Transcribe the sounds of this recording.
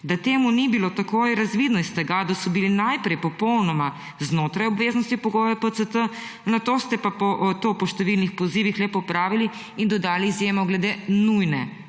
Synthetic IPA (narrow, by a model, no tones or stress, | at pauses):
d̪at̪eːmunibilot̪akoːjɾazʋid̪nɔist̪ɛɡad̪asɔbilinajpɾɛjpɔpɔwnɔma | znoːt̪ɾajɔbʋeznɔst̪ipɔɡoːjɛpət̪sət̪ə | nat̪oːst̪ɛpapɔʔt̪oːpɔʃt̪ɛʋilnixpɔziʋixlɛpɔpɾaːʋili | ind̪ɔd̪aːliːzjeːmɔɡlɛd̪enujnɛ